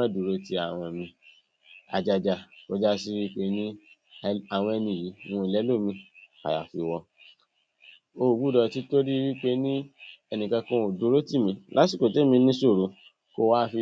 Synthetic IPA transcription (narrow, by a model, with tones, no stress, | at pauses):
ã˦du˨ɾo˧ti˧a˦˨w̃ɔ̃˧mĩ˧ | a̰˨d͡ʒa˧d͡ʒa˧˨ko˨˧d͡ʒa˦s̬i˧ɾi˦k͡pe˦nĩ˦ | a˨w̃ɔ̃˧ɛ˧nĩ˧˨ji˨˦w̃ɔ̃˧˨i˨lɛ˨˦lo˦˨mĩ˧ka̰˨ja̰˨fi˧wɔ˧ | o˦˨ɡu˦dɔ˧ti˨˦to˦ɾi˦i˧wi˦k͡pe˦nĩ˦ɛ˧˨nĩ˨kã˧kũ˧˨du˨˧ɾo˦ti˦˨mĩ˧la˦si˦˨ko˨te˦˨mĩ˧nĩ˦so˦˨ɾo˨˧ | ko˧wa˦fi˧